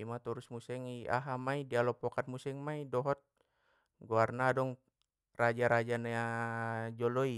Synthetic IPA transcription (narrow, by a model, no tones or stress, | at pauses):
imat̪ɔɾusmusɛŋia̰ɦamaidialɔpɔkat̪̚musɛŋmaidɔɦɔt̪̚ | ɡoarnadɔŋ | rad͡ʒaɾad͡ʒanaa | d͡ʒɔlɔi